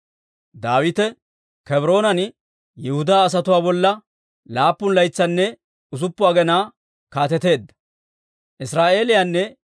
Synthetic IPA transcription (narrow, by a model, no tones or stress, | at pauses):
d̪aːwɪt̪ɛ | kɛbɾo̞ːnɐn | jɛhʊd̪aːs̬ɐt̪ʊwaːbɔlːɐ | laːpːʊnlɐjt͡sːɐnːɛ | ʊs̬ʊpːʊaːɡɛnaː | kaːt̪ɛt̪e̞ːd̪ːɐ̥ | ʔɪsɾaːʔe̞ːlɪjanːɛ